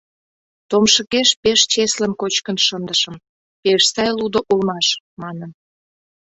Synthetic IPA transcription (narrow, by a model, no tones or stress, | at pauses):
t̪omʃəkeʃpeʃt͡ɕeslənkot͡ɕkənʃənd̪əʃə̆m | peʃsɑjlud̪oʔulmɑʃ | mɑnən